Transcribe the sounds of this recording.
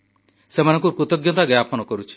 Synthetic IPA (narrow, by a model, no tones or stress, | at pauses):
semanɔ̃ŋkupɾut̪ɔɡjɔt̪aɡɾapʰɔnɔkɔɾut͡ʃʰi̥